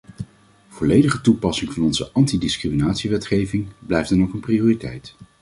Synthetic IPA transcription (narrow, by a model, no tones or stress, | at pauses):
v̥olejdəχətupɑsɪŋvɑnɔnzə̰ʔɑntidɪskriminaːtsiʋɛtχejvɪŋblɛjfdɑnoχənprioːritɛ̰jt